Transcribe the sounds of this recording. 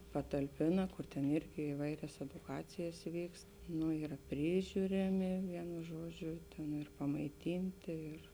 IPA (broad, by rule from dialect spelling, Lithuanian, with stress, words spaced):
pɐtɐlʲˈpʲeːnɐ ˈkʊr tʲɛn ˈɪrʲɡʲɪ ɪˈʋɐɪrʲɛs ɛdʊˈkɑːt͡sʲɪjɛs ˈʋʲiːkst ˈnʊ ˈiːrɐ ˈpʲrʲiːʒʲʊrʲɛmʲɪ ˈʋʲiɛnʊ ˈʒuɔˌd͡ʒʲʊ nʊ ɪr pɐmɐɪˈtʲɪnʲtʲeː ˈɪr